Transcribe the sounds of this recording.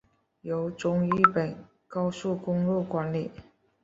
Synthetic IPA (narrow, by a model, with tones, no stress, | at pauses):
jo˧˥ʊt͡sʊ˧˥ŋi˥˩pə˨˩n | kɑ˥ʊsu˥˩kʊ˥ŋlu˥˩kwa˧˥nli˨˩˦